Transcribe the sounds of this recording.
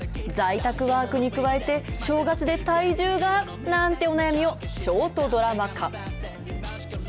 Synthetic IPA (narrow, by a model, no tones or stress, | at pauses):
d͡zait̪akɯ̟βaːkɯ̟ɲ̟ikɯ̟βae̞t̪e̞ɕo̞ːɡat͡sɨd̪e̞t̪aiʑɨːɡa | nãnt̪e̞o̞najamʲio̞ɕo̞ːt̪o̞d̪o̞ɾamakʰã